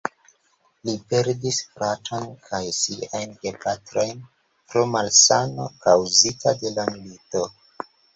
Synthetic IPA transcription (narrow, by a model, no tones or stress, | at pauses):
lipe̞ɾdisfɾatonkʰajsiajnɡepatɾo̞jn | pɾo̞malsano̞kawzitade̞lamilito̞